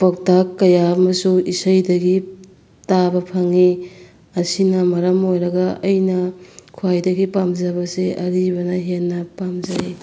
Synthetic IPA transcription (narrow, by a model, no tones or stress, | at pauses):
pɐk̚takːɐjamɐsuisɐjdɐɡi | tabɐpʰɐŋi | ɐsinɐmɐɾɐmojɾɐɡɐɐjnɐkʰuajdɐɡipamzɐbɐseʔɐɾibɐnɐɦenːɐpamzaj